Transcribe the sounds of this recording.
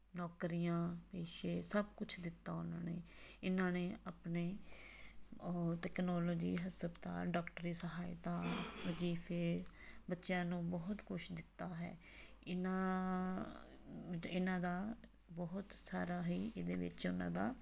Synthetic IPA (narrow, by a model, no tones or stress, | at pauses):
nɔːkɾijãːpeːʃeːsəb̚kʊt͡ʃʰd̪ɪt̪ːaːʊnãːneːɪnãːneːaːpneː | ʈɛːknɔːloːd͡ʒiːɦəsəbt̪a̰ːɖɔːkʈəɾiːsəɦaːɪt̪aːʋəd͡ʒiːfʰeː | bətːʃjãːnũːbɔɦʊt̪kʊʃd̪ɪt̪ːaːɦɛ̰ː | ɪnã | ɪnãːd̪aː | bɔɦʊt̪saːɾaːɦiːʔed̪ḛːʋɪ̰t͡ʃʊnã̰ːd̪aː